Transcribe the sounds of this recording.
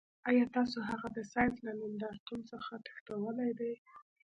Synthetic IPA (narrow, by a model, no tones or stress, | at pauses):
ɑjɑt̪ɑsoɦaɣad̪əsɑjzlanɪnd̪ɑɾt̪unsəxat̪ḁxt̪awəlajd̪aj